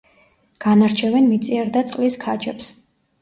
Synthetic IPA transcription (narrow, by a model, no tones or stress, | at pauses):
ɡ̥anaɾt͡ʃʰɛvɛnmit̪sʼiaɾd̪at̪sʼqʼliskʰad͡ʒɛps